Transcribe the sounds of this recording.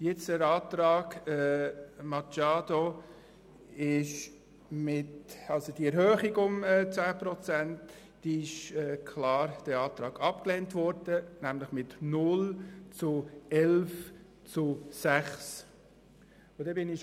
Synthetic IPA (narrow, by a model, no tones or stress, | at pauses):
jɪt͡səɾɑːtɾɑːɡɛːmɑt͡ʃɑːdo | ɪʃ | mɪtɑlsod̥iɛɾhøːχiɡʊmɛt͡sæːpɾɔt͡sænt | d̥iːɪʃɛːkʰlɑːɾd̥ɛɑːt̪ɾɑːɡɑp̚kleːntvɔɾd̥ənæmlɪχmɪtnʊlt͡sʊɛlf | t͡sʊsæχs | ʊd̥ɛbɪnɪ